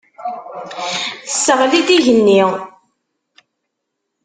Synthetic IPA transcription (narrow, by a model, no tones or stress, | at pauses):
θəsːəʁlid̪iʝənːiʁ